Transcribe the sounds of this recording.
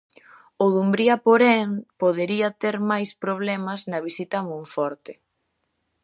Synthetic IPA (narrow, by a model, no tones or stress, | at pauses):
oðumbɾiɐpoɾeŋpoðeɾiɐt̪eɾmajspɾoβ̞lɛmɐznɐβisit̪ɐmõɱfɔɾt̪ɪ